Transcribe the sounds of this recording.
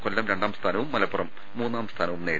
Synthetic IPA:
kolːɐmɾeɳɖaːmst̪ʰaːnɐʋumːɐlɐpːurɐmːuːnːaːmst̪ʰaːnɐʋumneː

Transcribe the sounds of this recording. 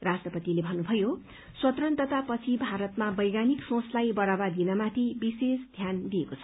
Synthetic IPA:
rastrʌpʌt̪ilebʱʌnːubʱʌjo | swʌt̪rʌnt̪ʌt̪apʌt͡sʰibʱaɾʌt̪mabʌjɡaniksõslajbʌɾabad̪inʌmat̪ʰibisesd̪ʱjand̪ijekot͡sʰʌ̥

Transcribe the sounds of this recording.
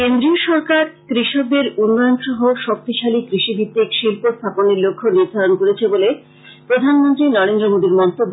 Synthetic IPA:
kend̪ɾioʃɔɾkaɾkɾiʃob̪eɾunːɔjonʃɔɦoʃok̚t̪iʃalikɾiʃibʱit̪ːikʃilpost̪ʰaponeɾlokʰːoniɾd̪ʱaɾonkoɾet͡ɕʰebole | pɾod̪ʱanmont̪ɾinɔɾend̪ɾomod̪iɾmɔnt̪obːo

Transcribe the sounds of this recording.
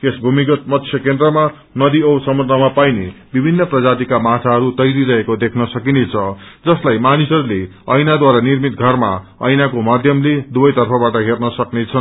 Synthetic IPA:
kesbʱumikʌt̪̚mʌt̪sʰjʌkend̪rʌma | nʌd̪iʌwsʌmurnʌmapajnebibʱinːʌprʌd͡zat̪ikamatʰaɦʌɾut̪ʌjɾiɾʌɦekod̪ekʰnʌsʌkinet͡sʰʌd͡zʌslajmanisʌɾule | ʌjnad̪waɾanirmit̪̚ɡʱʌrma | ʌjnakomad̪ʱjʌmled̪ubʌjt̪ʌrpʰʌbaʈʌɦernʌsʌknet͡sʰʌn

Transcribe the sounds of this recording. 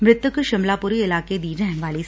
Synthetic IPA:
mɾɪt̪jəkʃɪmlaːpʊɾiɪlaːked̪iːɾɛɦʋaːli

